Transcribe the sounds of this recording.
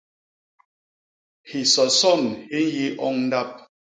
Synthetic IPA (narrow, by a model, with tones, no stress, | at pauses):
hi˨sɔ˨sɔ˦˨nhi˦n˦ji˦ʔɔ˦ŋn˦da˦p̚